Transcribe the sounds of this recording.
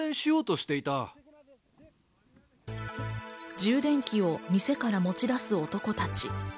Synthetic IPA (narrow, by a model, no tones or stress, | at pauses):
ẽɕijo̞ːt̪o̞ɕi̥t̪e̞it̪a | d͡ʑɨːd̪ẽ̞ŋkʲio̞mʲise̞kaɾamo̞t͡ɕid̪asɨo̞t̪o̞ko̞t̪at͡ɕi